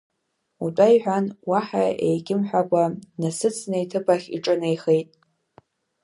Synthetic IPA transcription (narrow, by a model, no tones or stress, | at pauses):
utʼajħʷᶣanwaħaejɡʲɪmħʷᶣakʷʼanasɨt͡sʰnajtʰɨpʰʼaχʲḭʈ͡ʂʼɨnejχejtʼ